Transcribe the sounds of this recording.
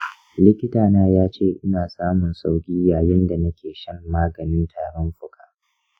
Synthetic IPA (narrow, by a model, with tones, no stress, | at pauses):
lɪ˦kʲɪ˦taː˨naː˦jaː˦t͡ʃeː˦˨ʔɪ˦naː˨saː˦mʊ˨nsa˦wkʲʼiː˦jaː˨jɪ˦nda˨nɐ˦kʲeː˨ʃɐ˦mːaː˦ɡɐ˨nɪ˦ntʰaː˨ɽɔ˦nɸʊ˦kʰʼaː˨